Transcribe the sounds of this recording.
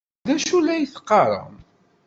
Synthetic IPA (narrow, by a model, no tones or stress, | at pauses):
ðæʃulæjθə̥qːɑɾˤə̰m